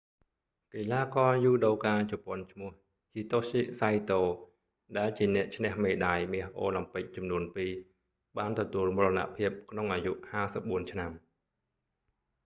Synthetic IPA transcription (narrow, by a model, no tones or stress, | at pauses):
kelaːkɑːjuːɗowkaːt͡ɕɔpŏənt͡ɕʰmʊ̆əh | hiːt̪osisajt̪oː | ɗaɛlt͡ɕiənɛ̆əʔt͡ɕʰnɛ̆əhmeːɗaːjmiəhɦʔo̰ːlampɨk̚t͡ɕɑmnuənpiː | ɓaːnt̪ɔt̪uəlmurəna̰ʔpʰiəp̚kʰnoŋʔaːjuʔhaːsəp̚ɓuənt͡ɕʰnam